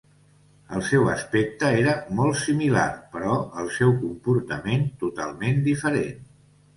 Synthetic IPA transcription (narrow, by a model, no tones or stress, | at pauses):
əlˠsɛwə̰spek̚t̪əeɾəmɔlˠtsimila̰rpəɾɔəlˠsɛwkumpuɾt̪ə̰ment̪ut̪a̰lˠmend̪ifəɾḛn